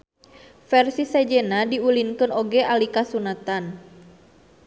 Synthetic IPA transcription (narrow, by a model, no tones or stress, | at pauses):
fɛrsisɛd͡ʒɛnadiulinkɨnoɡɛʔalikasunat̪an